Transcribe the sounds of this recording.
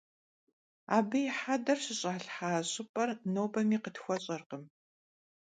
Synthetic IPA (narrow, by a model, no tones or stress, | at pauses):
a̰ːbɨjɪħadɐrɕɪɕʼaːɬħaːɕʼɨpʼɐrnoːwbɐmiːqətxʷɔɕʼɐrqəm